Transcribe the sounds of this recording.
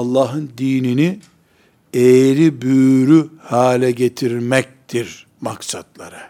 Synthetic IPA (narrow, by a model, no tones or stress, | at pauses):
ɑlˠːaːɦɯnd̪iːnini | ejɾibyːɾyhaːlʲɛɟe̞t̪ʰiɾmɛc̚t̪ʰiɾ | maksad̪lˠa̰ɾɯ